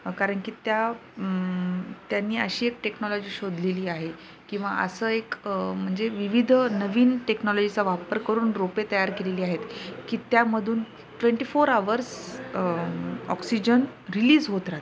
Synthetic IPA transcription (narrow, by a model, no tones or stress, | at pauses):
kaɾəɳkiːt̪ja | t̪janːiːəɕiːek̚ʈeknɔlɔd͡ʑiːɕod̪ʱleliːaɦe | kĩw̃ʋaʔə̰səekm̤əɳd͡zeʋiʋid̪ʱnəʋiːnʈeknɔlɔd͡ʑit͡saʋapəɾkəɾuːnɾopet̪əjaɾkeleliːaɦet̪kiːt̪jaməd̪ʱuːn | ʈʋeɳʈiːfoɾaʋəɾs | ɔ̰ksid͡ʑənɾiliːzɦot̪ɾat̪